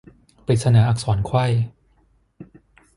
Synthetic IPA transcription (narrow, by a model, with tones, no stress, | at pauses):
pi˨˩sa˧naː˩˦ʔaː˨˩k̚sɔː˩˦nkʰwa˥˩j